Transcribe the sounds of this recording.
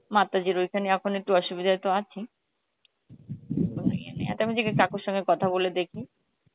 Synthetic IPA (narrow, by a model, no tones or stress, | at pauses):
mat̪ad͡ʑiɾojkʰaneɛkʰonek̚ʈuɔʃubid̪ʱaet̪oat͡ɕʰi | on̰iḛnḛa̰t̪amid͡ʑekekakoɾʃɔŋɡekɔt̪ʰaboled̪ekʰi